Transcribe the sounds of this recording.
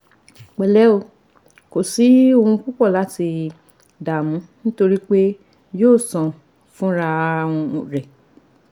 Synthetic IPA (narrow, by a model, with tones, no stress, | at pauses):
k͡pɛ˨lɛ˨˦o˨ | ko˨si˨˦o˦˧ũ˧ku˦k͡pɔ˦˨la˨˦ti˧ | da˨mũ˨˦nĩ˦to˧ɾi˦k͡pe˦ | joː˦˨sã˨ | fũ˦ɾa˧w̃ɔ̃˧˨ɾɛ˨